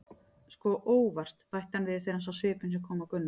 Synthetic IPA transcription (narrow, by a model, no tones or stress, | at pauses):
skɔːʔoːwvar̥t̪pajht̪hanvɪðθeɾansawsvɪːpʏnsɛmkʰɔːmawkʏnːa